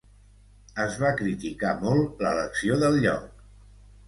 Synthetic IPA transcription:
əzβakɾit̪ikamɔlˠlələksioðəlʎɔ̰k̚

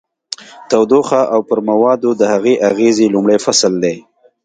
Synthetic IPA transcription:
t̪awd̪oxaʔawpəɾmawɑd̪od̪əhaɣeʔaɣezelumɽəjfasld̪e

